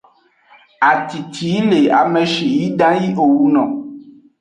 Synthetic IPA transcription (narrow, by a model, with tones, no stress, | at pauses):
a˨t̪i˨t̪ʰi˨˦le˨a˨mɛ˨ʃi˨ji˦ɖã˦ji˦ʔo˨wu˦nɔ̰̃˨